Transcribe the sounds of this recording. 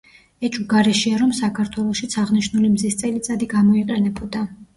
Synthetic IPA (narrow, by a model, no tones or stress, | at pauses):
ɛt͡ʃʼuɡaɾɛʃiaɾɔmsakʰaɾt̪ʰwɛlˠɔʃit̪sʰaʁniʃnulimzist̪sʼɛlit̪sʼad̪iɡamɔiqʼɛnɛbʰɔd̪a